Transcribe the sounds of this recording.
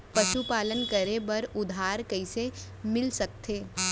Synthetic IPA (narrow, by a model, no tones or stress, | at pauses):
pɐʃupaːlənkɐɾebɐɾʊd̪ʱaːɾkɐise | mɪlsɐk̚t̪ʰeː